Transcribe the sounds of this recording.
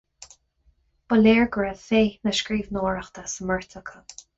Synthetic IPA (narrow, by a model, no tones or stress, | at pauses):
b̥əleːɹɡəɹəfeːnəʃkɹiːvnɔːɹəxt̪əsəməɹt̪ʰəkʰə